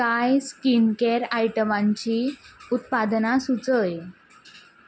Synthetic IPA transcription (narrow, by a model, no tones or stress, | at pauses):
kajskinkeɾajʈəmãɲt͡ɕiut̪pad̪nasut͡səj